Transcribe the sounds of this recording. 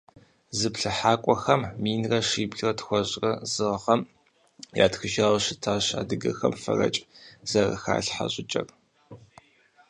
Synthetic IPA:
zɨpɬɨħaːkʷʼɔxɐmːiːnrɐʂiːbɮrɐtxʷɔɕʼrɐzɨʁχɐm | ja̰ːtxɨʒaːwɕɪtʰaːɕa̰ːdɨɡɐxɐmfɐ̰rɐ̰t͡ʃʼz̥ɐrɐ̰xa̰ːɬħa̰ɕʼɪt͡ʃʼɐ̰r

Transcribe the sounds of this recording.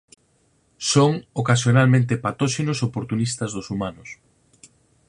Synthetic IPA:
soŋokasjonalmẽnt̪epat̪oʃenʊsopoɾt̪unist̪ɐzðʊsumanʊs

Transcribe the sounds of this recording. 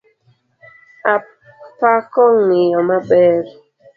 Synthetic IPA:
a | pakɔŋijɔmaɓɛɾi

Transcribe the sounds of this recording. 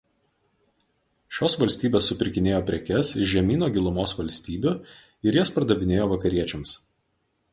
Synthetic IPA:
ʃʲoːsʋɐlʲsʲt̪ʲiːbʲeːsːʊpʲɪɾʲkʲɪnʲeːjoːpʲɾʲɛkʲɛsɪʒʲɛmʲiːnoːɡʲɪlˠʊmoːsʋɐlʲsʲt̪ʲiːbʲʊ | ɪɾjɛspɾɐd̪ɐbʲɪnʲeːjoːʋɐkɐɾʲiɛt͡ʃʲɛms

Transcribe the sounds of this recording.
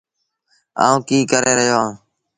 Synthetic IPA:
a̰ːũːkiːkəɾeːɾəɦjoːãː

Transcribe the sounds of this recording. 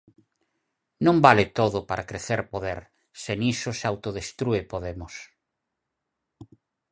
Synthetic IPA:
nõmbalet̪oðʊpaɾakɾeθeɾpoðeɾ | senisosawt̪oðest̪ɾuepoðemʊs

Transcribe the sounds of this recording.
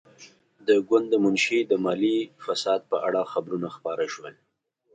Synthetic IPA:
d̪əɡwand̪ːəmʊnʃid̪əmɑlifasɑd̪̚pəʔaɽaxabɾunaxpɑɾaʃwəl

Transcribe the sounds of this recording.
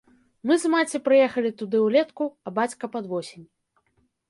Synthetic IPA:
mɨzmat͡sʲipɾɨjɛxɐlʲit̪ud̪ɨwlʲɛt̪kuɐbat͡sʲkɐpɐd̪vɔsʲenʲ

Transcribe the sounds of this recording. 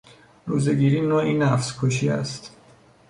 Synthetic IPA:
ɾuːzeɡiːɾiːnoːinæfskʰoʃiːæ̰st̪

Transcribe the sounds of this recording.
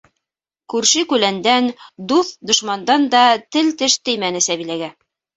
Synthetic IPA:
kʉɾʃɘkʉlænd̪ænd̪uθd̪ŏʃmɑnd̪ɑnd̪ɑt̪ɘlt̪ɘʃt̪ɘ̆jmænɘsæβilæɡæ

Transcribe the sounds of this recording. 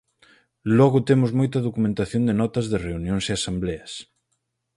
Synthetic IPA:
lɔɣʊt̪emʊzmojt̪ɐðokumẽnt̪aθjond̪ɪnɔt̪ɐzðɪreunjõŋseasambleɐs

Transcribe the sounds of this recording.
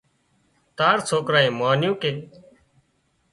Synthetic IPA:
t̪aːɾsʰoːkɾaːẽːmaːnjũːkeː

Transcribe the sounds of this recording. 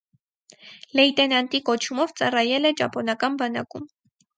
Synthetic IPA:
lɛjt̪ɛnɑnt̪ikɔt͡ʃʰumɔvt͡sɑrɑjɛlɛd͡ʒɑ̰pɔnɑkɑnbɑnɑkum

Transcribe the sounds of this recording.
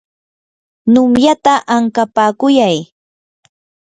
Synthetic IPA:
nʊmjat̪aʔaŋkapaːkʊjaj

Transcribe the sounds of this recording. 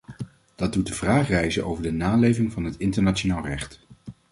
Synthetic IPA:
d̥ɑdut̚dəvraːχrɛjzənʔowvəɹdənaːlejvɪŋvɑnɦətɪntəɹnat͡ʃonaːlˠrɛχt

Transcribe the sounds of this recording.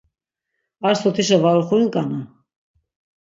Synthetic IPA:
aɾsɔt̪ʰiʃ̬əvalχuinkʼana

